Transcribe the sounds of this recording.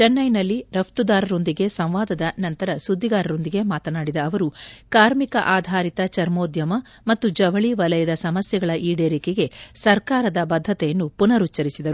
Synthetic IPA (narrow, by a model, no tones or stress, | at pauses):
t͡ʃɐnːɐjnɐlːiɾɐpt̪ud̪aːɾɐɾo̞nd̪iɡe̞sɐ̃mʋaːd̪ɐd̪ɐnɐnt̪ɐɾɐsud̪ʱːiɡaːɾɐɾo̞nd̪iɡe̞maːt̪ɐnaːɽid̪ɐːʋɐɾukaːɾmikɐʔaːd̪ʱaːɾit̪ɐt͡ʃɐɾmo̞ːd̪jɐmɐ | mɐt̪ːud͡ʒɐʋɐɭiʋɐlɐjɐd̪ɐsɐmɐsjɐɡɐɭɐʔiːɖeːɾikeɡe̞sɐɾkaːɾɐd̪ɐbɐd̪ʱːɐt̪ɛjɐnːupunɐɾutːt͡ʃːɐɾisid̪ɐɾu